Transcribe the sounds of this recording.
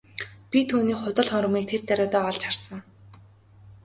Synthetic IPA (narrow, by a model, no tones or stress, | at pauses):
pʲit̪ʰuːniːχʊt̪ə̆ɮχɔmrə̆miːk̚t̪ʰert̪æɾʲʊːt̪ɔːɔɮt͡ɕχarsə̆ŋ